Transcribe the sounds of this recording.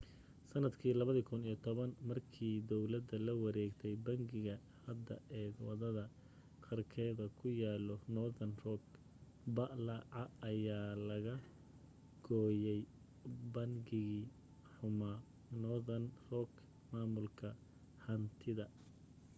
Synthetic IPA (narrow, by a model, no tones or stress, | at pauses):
sɐnɐd̪kʰiːlɐβɐðiːkʰʊnijɔt̪ʰɔβɐnmɐrkʰiːd̪ɔwlɐd̪ɐlɐwɐɾɛːɡt̪ʰɛjbɐŋɡɪɣɐ | hɐd̪ːɐ̰ʔɛːd̪wɐðɐðɐ | qʰɐrkʰɛːðɐkʰʊjaːlɔnɔðɐnrɔk | bɐʔlɐʕɑɐjaːlɐɣɐ | ɡ̥ɔːjɛj | bɐŋɡɪɣiː | ħʊma | nɔðɐnrɔk | maːmʊlkʰɐ | hɐnt̪ʰɪðɐ